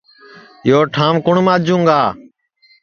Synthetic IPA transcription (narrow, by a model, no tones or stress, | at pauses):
joːʈʰãːmkʊɳmãːd͡ʒũːŋɡaː